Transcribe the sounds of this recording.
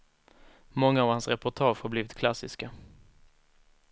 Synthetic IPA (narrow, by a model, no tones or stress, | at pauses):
mɔŋːaːvhansɾɛpʊʈʰɑːʂhaɾbliːvɪt̪̚kʰlasɪska